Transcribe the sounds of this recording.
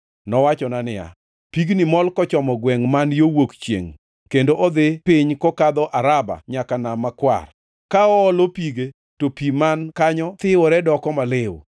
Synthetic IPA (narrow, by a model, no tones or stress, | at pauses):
nɔwat͡ʃɔnanɪja̰ | piɡnimɔlkɔt͡ʃɔmɔɡwɛŋmanjowokt͡ʃjḛŋ | kendoʔɔd̪ɪpɪɲkɔkad̪ɔʔaɾaba̰ɲakanamakwa̰r | kaɔːlopiɡe | topimankaɲɔt̪ɪɔɾɛdɔkɔmalɪw̰